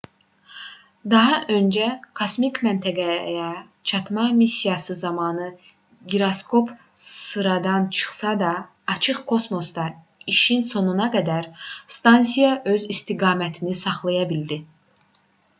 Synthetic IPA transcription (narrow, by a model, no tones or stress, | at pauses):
d̪ɑɦɑʔø̞nd͡ʒækʰosmikmænt̪ʰæɡæjæ | t͡ʃʰɑt̪mɑmisːijɑsɯzɑmɑːnɯ | ɡiɾoskʰo̞p | sɯɾɑd̪ɑnt͡ʃʰɯ̥χsɑd̪ɑː | t͡ʃʰɯχkʰo̞smo̞sd̪ɑ | iʃinso̞nunɑɡæd̪æɾst̪ɑnsijɑʔø̞zist̪iɡɑːmæt̪ʰinisɑχlˠɑjɑbild̪i